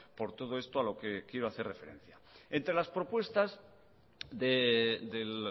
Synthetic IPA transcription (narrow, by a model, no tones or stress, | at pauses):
po̞ɾt̪o̞ð̞o̞est̪oalo̞kekje̞ɾo̞aθe̞refe̞ɾẽ̞̰n̟θja | e̞nt̪ɾelaspɾo̞pwe̞st̪az | ðeðel